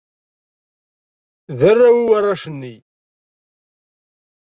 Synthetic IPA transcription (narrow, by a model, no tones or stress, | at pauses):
ðərːawiwarˤːɑʃənːi